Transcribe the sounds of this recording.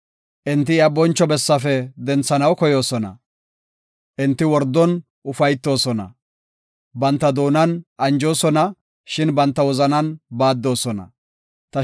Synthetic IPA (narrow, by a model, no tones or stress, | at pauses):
ʔɪnt̪ːɪabɔnt͡ʃːɔbɛsːɐfɛd̪ɛnt͡sːɐnɐwkɔjo̞ːsɔnɐ̰ | ʔɪnt̪ːɪwɔɾd̪ːɔn | ʔʊfɐjt̪ːo̞ːsɔnɐ̰ | bɐnt̪ːɐd̪oːnɐnʔɐnd͡ʒo̞ːsɔnɐ | ʃɪnbɐnt̪ːɐwɔzɐnɐnbaːd̪ːo̞ːsɔnɐ̰ | t̪ɐ